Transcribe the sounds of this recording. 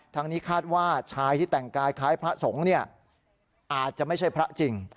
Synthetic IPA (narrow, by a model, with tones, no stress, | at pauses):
t̪ʰaː˧ŋniː˦˥kʰaː˥˩t̪̚waː˥˩t͡ɕʰaː˧jt̪ʰiː˥˩t̪ɛ˨˩ŋkaː˧jkʰaː˦˥jpʰɾa˦˥so˩˦ŋni˥˩ɐ | ʔaː˨˩t̪̚t͡ɕa˨˩ʔma˥˩jt͡ɕʰa˥˩jpʰɾa˦˥ʔt͡ɕi˧ŋ